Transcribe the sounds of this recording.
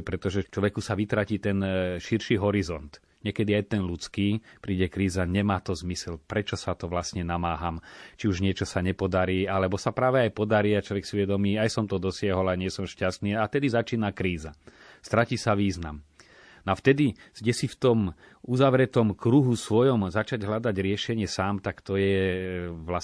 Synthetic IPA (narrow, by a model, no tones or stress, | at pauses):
pɾɛt̪ɔʒɛt͡ʃlɔʋɛkusaʋit̪ɾaciːt̪ɛnʃiɾʃiɦɔɾizɔnt̪ | ɲɪɛkɛd̪iajt̪ɛnlut͡skiːpɾiːɟɛkɾiːzaɲɛmaːt̪ɔzmisɛlpɾɛt͡ʃɔsat̪ɔʋlasɲɛnamaːɦamt͡ʃiuʒɲɪɛt͡ʃɔsaɲɛpɔd̪aɾiːalɛbɔsapɾaːʋɛajpɔd̪aɾiːat͡ʃlɔʋɛksiʊʋɛd̪ɔmiːajsɔmt̪ɔd̪ɔsɪaɦɔlaɲɪɛsɔmʃcast̪niːaft̪ɛd̪izat͡ʃiːnakɾiːza | st̪ɾaciːsaʋiːzna̰m | nɔaft̪ɛd̪izɟɛsift̪ɔm | uzaʋɾɛt̪ɔmkɾuɦusʋɔjɔmzat͡ʃaɟɦlad̪aɟɾɪɛʃɛɲɪɛsaːmt̪akt̪ɔjɛ | ʋla